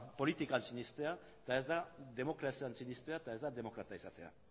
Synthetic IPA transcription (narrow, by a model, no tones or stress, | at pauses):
po̞lit̪ikansiɲist̪e̞a | t̪ae̞zd̪aðe̞mo̞kɾasiansiɲist̪e̞at̪ae̞zd̪aðe̞mo̞kɾat̪aisat̪e̞a̰